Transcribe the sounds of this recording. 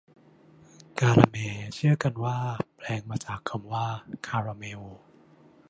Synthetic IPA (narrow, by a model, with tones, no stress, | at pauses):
kaː˧ɾa̰ː˧meː˧t͡ɕʰɯ˥˩ɐka˧nwaː˥˩pʰlɛː˧ŋmaː˧t͡ɕaː˨˩kʰːa˧mwaː˥˩kʰaː˧ɾaː˧meː˧oː˧